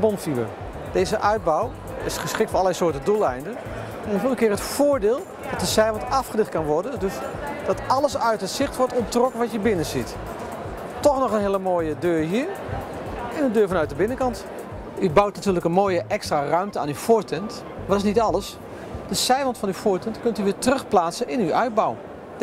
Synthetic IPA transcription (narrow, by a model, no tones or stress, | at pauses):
bɔnfiʋə̰ | d̥ejzəʔœɥd̚bɔw | ɪsχəsχɪk̚tfɔnɑlˠɛjsʊːɹtəndulˠɛjndən | ɛnfɪːlˠəkɪːrɦətfoːɹdɪːlˠ | d̥ɑt̚dəsɛjvɑntɑfχədɪχt̚kɑnʋɔɹdəndɵsd̥ɑtɑləsœɥtətsɪχtʋɔɹtɔntrɔkənʋɑtjəbɪnəzit | tɔχnɔχənɦɪːləmoːjədøːɹɦiːɹ | ɛnəndøːɹvɑnœɥt̚dəbɪnəkɑnt | ybawt̚natyːɹləkənmoːjəʔɛkstraːrœɥmtəa̰ːnyfʊːɹtɛnt | ʋɑtɪsnitɑləs | dəsɛjvɑntfɑnyfʊːɹtɛntkɵntyʋɪːtərɵχplaːtsənɪnywœɥd̚bɔw